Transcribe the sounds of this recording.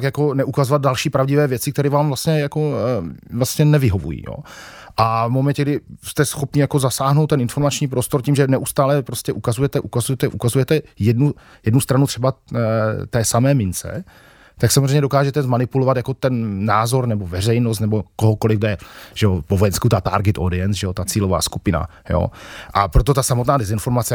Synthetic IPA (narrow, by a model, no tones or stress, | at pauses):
kjako̞nɛʔukazovad̪̚dalʃiːpɾavɟɪvɛːvjɛt͡sɪk̚t̪ɛɾɛːvaːmvlast̪ɲɛjako̞vlast̪ɲɛnɛvɪɦo̞vṵjḭːjo̰ː | ʔavmo̞mɛncɛɡdɪst̪ɛsxo̞pɲɪjako̞zasaːɦnowt̪ːɛnɪnfo̞ɾmat͡ʃɲiːpɾo̞st̪o̞ɾciːmʒɛnɛʔust̪aːlɛpɾo̞scɛʔukazujɛt̪ɛʔukazujɛt̪ɛʔukazujɛt̪ɛjɛdnu | jɛdnust̪ɾanut̪r̝̥ɛba | t̪ɛːsamɛːmɪnt͡sɛ̰ | t̪aksamozreɛjɲɛdo̞kaːʒɛt̪ɛzmanɪpulovat̪jako̞t̪ɛnːaːzo̞ɾnɛbovɛr̝ɛjnost̪nɛbo̞koɦoko̞lɪfdɛʒɛopovojɛnskut̪at̪a̰ːɾɡɛt̪ʔodɪɛnsʒɛot̪at͡siːlova̰ːskupɪna̰ | jo̰ːʔapɾot̪̬o̞t̪asamot̪naːdɛzɪnfo̞ɾmat͡sɛ